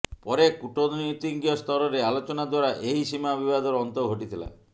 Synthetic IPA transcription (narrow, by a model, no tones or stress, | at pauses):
pɔɾekuʈɔd̪nit̪iŋɡijɔst̪ʰɔɾɔɾealot͡ʃɔnad̪waɾaʔeɦisimabibad̪ʱɔɾːnt̪ɔɡʱoʈit̪ʰila̰